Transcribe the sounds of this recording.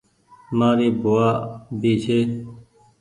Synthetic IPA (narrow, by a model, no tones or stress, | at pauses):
maːɾiːboaːbiːt͡ʃʰeː